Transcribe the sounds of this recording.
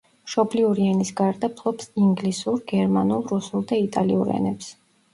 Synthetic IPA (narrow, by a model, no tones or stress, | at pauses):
mʃɔbliuɾianisɡaɾd̪apʰlˠɔpsiŋɡlisuɾɡɛɾmanulˠɾusulˠd̪ait̪ʼaliuɾɛ̰nɛps